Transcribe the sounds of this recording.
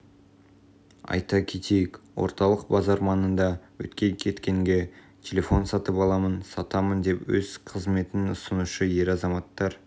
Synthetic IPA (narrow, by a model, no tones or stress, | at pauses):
ɑ̰jt̪ɑkʲʰet̪ʰejɪkwo̰ɾt̪ɑlˠəqbɑzɑɾmɑnənd̪ɑwɵ̰t̪kʲe̞kʲʰe̞t̪kʲe̞ŋɡʲe̞ | t̪ʲʰe̞lʲe̞fo̞nsɑt̪əpɑlˠɑmənsɑt̪ɑmənd̪e̞pwɵz̥qʰəzme̞t̪ɪnʊsənuʃəje̞ɾɑzɑmɑt̪ːɑɾ